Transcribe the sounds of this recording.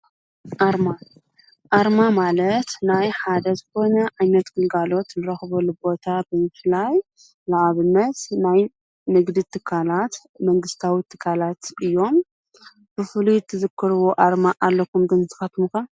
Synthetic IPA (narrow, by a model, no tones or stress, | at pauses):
ʔaɾma | ʔaɾmamalɐt̪najħad̪ɐzɨko̞nɐʔajnɐt̪ɡ̥ɨlɡalo̞t̪nɨɾɐxβɐlubo̞t̪ʰabɨmɨflaj | laʕaβɨnːɐt̪naj | nɨɡd̪it̪ʰɨkʰːalat̪ | mɐŋɡɨst̪ʰawit̪ʰɨ̥kʰːalat̪ʔɨjːo̞m | b̥ɨfɨlut̪ʰɨzɨkʰːɨɾɨwoʔaɾmaʔalːɐkumɡɨnzɨxat̪muka